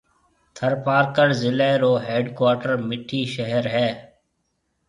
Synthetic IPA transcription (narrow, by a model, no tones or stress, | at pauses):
t̪ʰəɾpaːɾkəɾzɪleːɾoːɦeːɖkwaːʈəɾmɪʈʰːiːʃəɦəɾɦɛː